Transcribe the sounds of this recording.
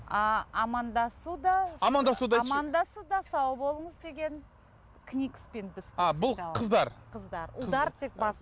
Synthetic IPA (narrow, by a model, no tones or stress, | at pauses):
ɑɑmɑnd̪ɑsud̪ɑɑmɑnd̪ɑsud̪ɑɑmɑnd̪ɑsəd̪ɑsɑwbo̞lˠəɴəzd̪e̞ɡʲe̞n | kʰnʲikspenbɪzbɑbʊlˠʰəzd̪ɑɾqʰəzd̪ɑɾud̪ɑɾt̪ʰek̚bɑs